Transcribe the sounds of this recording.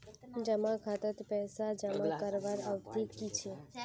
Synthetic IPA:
d͡ʒəmãkʰat̪ət̪pɛɦsad͡ʒəmãkəɾʋaɾəʋt̪ikit͡ʃʰe

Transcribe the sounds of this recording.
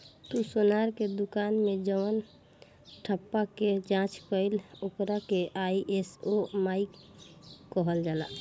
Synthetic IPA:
t̪usonaɾked̪ukanmed͡ʒəən | ʈʰəpːaked͡ʒãt͡ʃkəilokɾakeʔaiʔesomaikː | əɦəld͡ʒala̰

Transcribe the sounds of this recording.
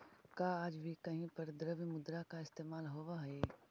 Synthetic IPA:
kaːaːd͡ʒbʱikɐɦĩpɐɾd̪ɾəʋimʊd̪ɾakaɪst̪eːmaːlɦoːʋaɦeː

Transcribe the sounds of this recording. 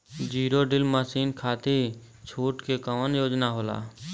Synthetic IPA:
d͡ʒiːɾoɖɪlməsiːnkʰaːt̪i | t͡ʃʰuːʈkekəmənjoːd͡ʒnaɦoːla̰ː

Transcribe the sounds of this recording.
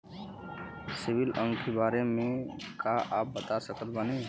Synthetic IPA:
sɪbɪlə̃ŋkʰebaːɾemẽ | kaʔaːp̚bət̪asəkət̪̚bəne

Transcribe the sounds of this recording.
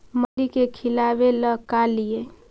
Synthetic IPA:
məlikekʰɪlaːʋeləkalie

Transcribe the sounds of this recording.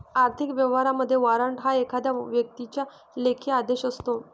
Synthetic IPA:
aɾt̪ʰikʋjəʋ̤aɾaməd̪ʱːjeʋaɾəɳʈɦaekʰad̪jaʋjək̚t̪it͡ɕja | lekʰiad̪eɕəst̪o

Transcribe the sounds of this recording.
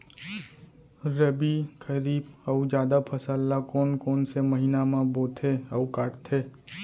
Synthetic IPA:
ɾəbikʰəɾiːbəud͡ʒjaːd̪apʰəsəlːakoːnkoːnseməɦinamãboːt̪ʰeəukaːʈt̪ʰeː

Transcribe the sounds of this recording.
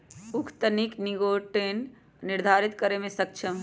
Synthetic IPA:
ukʰt̪ənikniɡoːʈen | niɾd̪ʱaːɾit̪kəɾemẽsɐk̚t͡ʃʰəm

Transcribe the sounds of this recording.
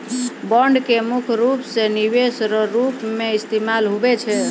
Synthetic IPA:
bəɳɖkemukʰɾupseniβesɾəɾupmeist̪emalɦubɛt͡ʃʰɛ

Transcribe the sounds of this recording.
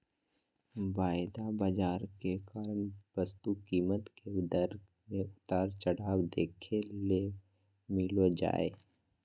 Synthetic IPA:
baːɪd̪abaːd͡ʒaːɾkekaːɾənbəst̪ukiːmət̪ked̪əɾɡ | mẽʊt̪aːɾt͡ʃəɽaːwd̪eːkʰeleː | mɪlod͡ʒa̰ːeː

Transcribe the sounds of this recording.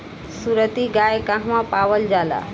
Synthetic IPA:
suɾət̪iɡajkãɦmãpaːʋəld͡ʒaːla̰

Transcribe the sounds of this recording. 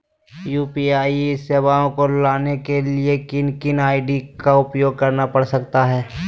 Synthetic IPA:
juːpiaːiseːwaːõkolaːnekeliekɪnkɪnaːɪɖikaʊpjoːɡ̚kɐɾnapɐɽsɐkt̪aɦɛː

